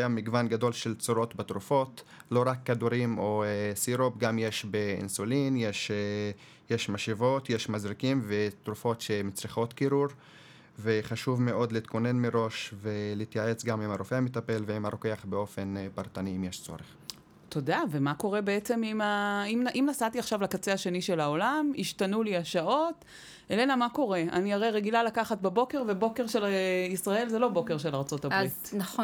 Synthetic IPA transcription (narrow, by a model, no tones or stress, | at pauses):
jamiɡvanɡado̞lʃe̞lt͡soɾo̞t̪bat̪ɾufo̞tlo̞ʁakːad̪uɾimo̞esiɾopɡamje̞ʃbeḭnsulinje̞ʃe | jeʃmaʃivo̞t̪jeʃmazʁikimvet̪ɾufo̞tʃe̞mit͡sʁiχo̞t̪kiɾuɾ | ve̞χaʃuvme̞ʔo̞d̪leit̪̚ko̞ne̞nmeʁo̞ʃveleit̪jae̞t͡sɡamimaɾofeamit̪ape̞lveimaɾokeaχbeo̞fe̞npaʁt̪aniimjeʃt͡so̞̰ɾeχ | tʰo̞dave̞mako̞ʁe̞be̞et͡se̞mimaimʔimnasatiaχʃavlakat͡se̞aʃe̞niʃe̞laolamiʃtanuliaʃao̞t | elenamako̞ʁe̞a̰niaʁejʁeɡilalakaχat̚bebo̞ke̞ʁve̞bo̞ke̞ʁʃelisʁae̞lzelobo̞ke̞ʁʃe̞laʁt͡so̞tabʁitn